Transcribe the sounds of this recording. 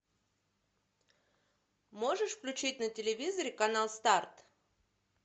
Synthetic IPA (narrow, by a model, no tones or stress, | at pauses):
mo̞ʐɨʂfklʲʉt͡ɕitʲnətʲɪlʲɪvʲizəɾʲɪkɐnalˠst̪art̪